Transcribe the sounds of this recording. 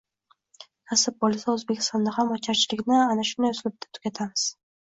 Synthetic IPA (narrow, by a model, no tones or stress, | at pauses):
k̪ʰasɪp̚bolsaɵzbe̞kʲʰɪ̥st̪ɒnd̪ahamɒt͡ʃʰaɾt͡ʃʰɪlɪkʲnɪanaʃʊnd̪ajʊsɪlɪp̚d̪ʰḁt̪ʰʊ̥kʲat̪ʰamɪz̥